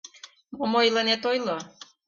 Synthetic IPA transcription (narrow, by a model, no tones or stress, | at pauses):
momojlənet̪ojlo